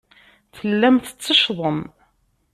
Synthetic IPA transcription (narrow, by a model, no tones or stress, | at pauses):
θəlːæmθə̥t͡sːəʃðˤəm